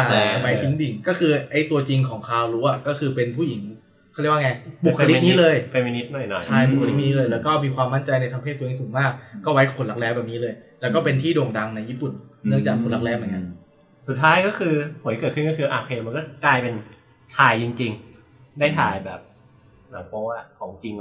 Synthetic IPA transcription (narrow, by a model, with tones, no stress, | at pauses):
a˧˩˧wa˦˥j̪ʰi˦˥ŋdi˨˩ŋkɔː˥˩kʰɯː˧ʔa˥˩jt̪u˧ɐt͡ɕi˧ŋkʰɔː˩˦ŋkʰaː˧wɾuː˦˥ʔa˨˩kɔː˥˩kʰɯː˧pe˧npʰuː˥˩ji˩˦ŋ | kʰːjwa˥˧ŋa˧˩bu˨˩kʰːa˧li˦niː˦˥lɤː˧jfe˧mi˧ni˦˥t̪̚nɔ˨˩jnɔ̰˨˩jt͡ɕʰa˥˩jbu˨˩kʰa˧li˦˥˧iː˦˥lɤː˧jlɛː˦˥wkɔː˥˩miː˧kʰwaː˧mːa˥˩nt͡ɕa˧jna˧jt̪ʰmpʰeː˥˩t̪̚ʰːiː˨˦˩suː˨˩˦ŋmaː˥˩k̚ːɔː˥˩wa˦˥jkʰo˨˧˩nla˦˥k̚lɛː˦˥wbɛː˨˩p̚niː˦˥lɤː˧jlɛ˦˥wkɔː˥˩pe˧nt̪ʰiː˥˩doː˨˩ŋda˧ŋna˧jːiː˥˩pu˨˩nnːɯ˥˩əŋt͡ɕaː˨˩kkʰːo˧nla˦˥k̚lɛː˦˥mʔa˨˩˨ŋi˦˥˩ | su˨˩t̪̚ʰːaː˦˥jkɔː˥˩kʰɯː˧pʰu˨˩˦jkɤː˨˩t̪̚kʰɯ˥˩nkɔ˥˩ɯː˧ʔa̰ː˧p̚ʰeː˧ma˧nkɔː˥˩klaː˧jpe˧n | t̪ʰaː˧jt͡ɕi˧ŋt͡ɕi˧ŋ | da˥˩jt̪ʰa̰ː˨˩jbɛ̰ː˨˩p̚ | naː˨˩˦ŋpɔː˦˥a˨˩kʰɔː˩˦ŋt͡ɕi˧ŋ